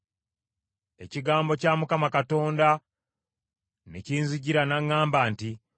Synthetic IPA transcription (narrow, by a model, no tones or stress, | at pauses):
e̞ciɡaːmbo̞caːmukamakato̞ːnda | nḛciːnziɟiɾanaŋːaːmbaːnti